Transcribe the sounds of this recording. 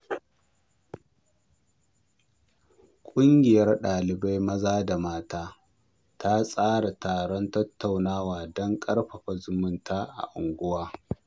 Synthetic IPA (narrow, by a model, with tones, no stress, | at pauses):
kʷʼʊ˦ŋɡʲɪ˨jɐ˦rɗaː˨lɪ˨ba˦jmɐ˦zaː˦da˨maː˦taː˦ | ta˦sʼaː˦ɽa˨tʰaː˨ɽɔ˦ntɐ˦tːa˨wnaː˦waː˨dɔ˦ŋkʼɐ˦ɽɸɐ˨ɸa˨zʊ˨mʊ˦ntʰaː˦ʔa̰˨ʔʊ̰˨ŋɡʷʊ˦waː˦